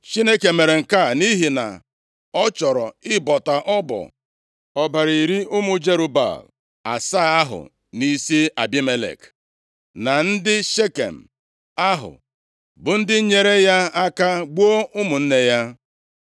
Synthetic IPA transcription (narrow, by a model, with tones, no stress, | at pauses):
t͡ʃi˦ne˦ke˨me˨ɾe˨ŋ̩˨ka˦˨ni˦ɦi˨na̰˨ | ɔ˦t͡ʃɔ˨ɾɔ˨ɪ˦bɔ˨ta˨ʔɔ˦bɔ̰˨ | ɔ˨ba˨ɾi˨i˨ɾi˦ʊ˦mʊ˨d͡ʒe˦ɾu˦ba̰˨l | a˨sa˦a˦ɦʊ̰˨ | ni˨si˦a˨bi˦me˦lḛ˨k | na˨n̩˦dɪ˦ʃe˦kḛ˨m̩˨ | a˦ɦʊ̰˨ | bʊ˨n̩˦dɪ˦ɲe˦ɾe˦ja˦a˦ka˦ɡ͡bo˦ʔʊ˦mʊ˨n̩˦ne˦ja˦